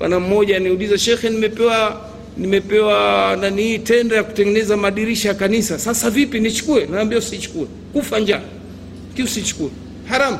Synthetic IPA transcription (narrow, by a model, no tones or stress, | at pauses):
wa̰nam̩mɔʄaniulizaʃɛxɛnimɛpɛwa | nimɛpɛwandanihiːtɛndajaku̥tɛŋɡɛnɛzamaɗiɾiʃajakanisasasavipinit͡ʃu̥kuɛnaːmbiausit͡ʃu̥kuɛ | kufaɲd͡ʒa | kiusit͡ʃu̥kuɛ | haɾam̩